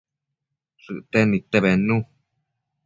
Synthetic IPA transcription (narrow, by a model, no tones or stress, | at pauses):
sɨt̪enĩt̪eβenːũ